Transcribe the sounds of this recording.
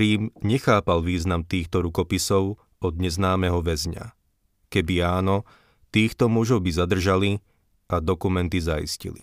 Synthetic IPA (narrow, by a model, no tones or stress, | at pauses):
ɾiːmɲɛxaːpalʋiːznamt̪iːxt̪ɔɾukɔpisɔʊ | ɔd̪̚ɲɛznaːmɛɦɔʋɛzɲa̰ | kɛbiaːnɔ | t̪iːxt̪ɔmʊɔʒɔʊbizad̪r̩ʒali | ad̪ɔkumɛnt̪izaḭscḭlḭ